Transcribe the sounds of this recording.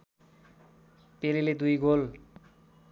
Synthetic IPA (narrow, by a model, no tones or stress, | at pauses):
peliled̪ujɡol